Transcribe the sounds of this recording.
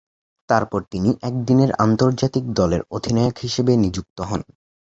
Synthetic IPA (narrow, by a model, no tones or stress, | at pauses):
t̪aɾpɔɾt̪iniʔɛk̚d̪ineɾa̰nt̪oɾd͡ʑat̪ikd̪ɔleɾod̪ʱinɔokɦiʃebenid͡ʑuk̚t̪oɦɔn